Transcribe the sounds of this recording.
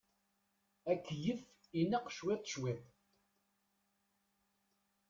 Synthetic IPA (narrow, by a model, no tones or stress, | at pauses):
ækːjəf | inɑqːʃwet̪ˤːʃwet̪ˤ